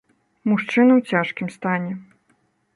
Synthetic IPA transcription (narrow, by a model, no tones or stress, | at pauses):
muʂt͡ʂɨnɐwt͡sʲaʂkʲimst̪anʲɛ